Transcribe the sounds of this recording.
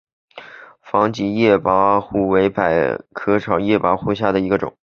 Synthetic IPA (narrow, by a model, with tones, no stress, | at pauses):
fɑ˧˥ŋt͡ɕi˧˥jɛ˥˩pa˧˥xu˥˩we˧˥ɪpa˨˩ɪkʰɤ˧˥ʈ͡ʂʰɑ˨˩ʊjɛ˥˩pa˧˥xu˥˧˩ɕ̬ja˥˩d̪ə˩i˧˥ɡə˧ʈ͡ʂʊ̰˨˩˦ŋ